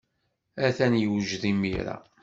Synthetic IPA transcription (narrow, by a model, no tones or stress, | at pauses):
æθænjəwʒðimiɾa̰